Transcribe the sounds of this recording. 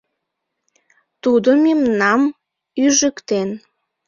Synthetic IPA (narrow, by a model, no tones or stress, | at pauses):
t̪ud̪əmemnɑm | yʒəkt̪en